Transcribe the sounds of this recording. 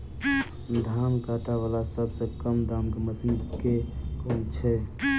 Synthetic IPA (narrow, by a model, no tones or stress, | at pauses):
d̪ʱankaʈaβalasəbsə̃kəmd̪amɡməsiŋɡkekunt͡ʃʰɛ